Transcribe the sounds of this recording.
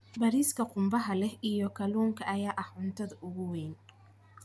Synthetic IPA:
bɐɾiːskʰɐqʊmbɐɦɐlɛhijɔkʰɐluːŋkʰɐʔɐjaːʔɐhʊnt̪ʰɐðɐʔʊɣʊwɛːn

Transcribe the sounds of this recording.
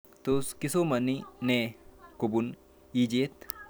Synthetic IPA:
t̪oskɪsomɐnineːkʊbʊn | iːd͡ʒiet̪ː

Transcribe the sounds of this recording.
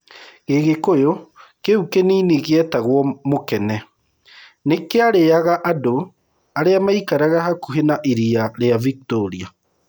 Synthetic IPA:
ɣeɣekojokeukeniniɣeɛtaɣwɔmokɛnɛ | nekeaɾeaɣaʔado | aɾeamaikaɾaɣahakuɦenaʔiɾiaɾeavik̚toɾia

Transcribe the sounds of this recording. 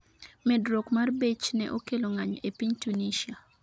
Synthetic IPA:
mɛdɾokmarbet͡ʃnɛ̰ʔokeloŋaɲepiɲtuniʃia

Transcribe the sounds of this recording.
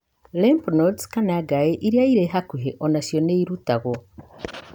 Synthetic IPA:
lempnotkanaɡajeʔiɾjaiɾeɦakuɦeʔonasjoneiɾutaɣo

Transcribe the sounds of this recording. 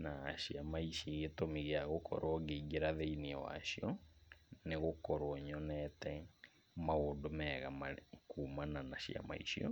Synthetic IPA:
naɕiamaiʃiɣetomiɣeaɣokʰɔ̰ɾɔɣeiɡeɾaðeiniɛwa̰ʃiɔ | neɣokɔɾwɔɲɔnɛtɛ | maondomɛːɣamakuːmananaɕja̰ma̰iʃiɔ̰

